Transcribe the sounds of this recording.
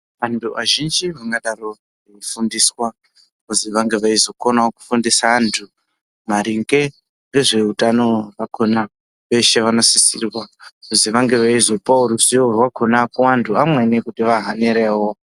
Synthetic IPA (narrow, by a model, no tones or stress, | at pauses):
antʰuaʒind͡ʒiʋaŋɡaɗaro̞ | eifundiswa | kuziʋaŋɡe̞ʋaizo̞konaoku̥fundisaːntʰu | maɾiŋɡe̞ | ʋe̞ʐe̞utano̞ʋakʰona | ʋe̞ʃe̞ʋanosisirwakuziʋaŋɡe̞ʋaizo̞pauɾusiowakonakuantʰuamwe̞nekutiʋaɦaneɾewo